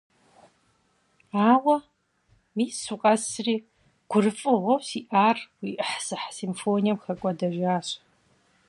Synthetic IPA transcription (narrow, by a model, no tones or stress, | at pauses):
aːwɐ | miːsuqʼɐsriː | ɡ̥ʷʊrɨfʼɨʁʷɔwsiːʔaːrwiːʔɨħsɨħsimfoːnijɛmxɐkʷʼɐdɐʒaːɕʼ